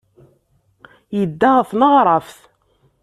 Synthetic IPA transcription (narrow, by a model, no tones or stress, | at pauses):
jəd̪ːaʁəθnəʁɾˤɑfθ